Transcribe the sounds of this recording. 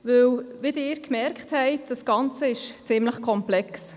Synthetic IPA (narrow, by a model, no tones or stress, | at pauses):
vɵwvɪdɪːɾkmɛɾkχthɛɪtd̥ɑsɡ̥ɑnt͡səɪʃt͡sɪmləχkʰɔmplɛks